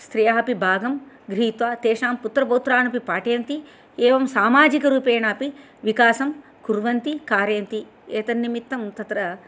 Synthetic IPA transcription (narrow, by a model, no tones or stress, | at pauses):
st̪ɾijaːpibʱaːɡɐm | ɡɾiːt̪ʋaːt̪eːʂaːmput̪ɾɐpoːt̪ɾaːnɐpipaːʈeːnt̪i | ɛːʋɐmsaːmaːd͡ʒikɐɾuːpeːɳaːpi | ʋikaːsɐm | kuɾʋɐnt̪ikaːɾeːnt̪i | ɛːt̪ɐnːimit̪ːɐmt̪ɐt̪ɾɐ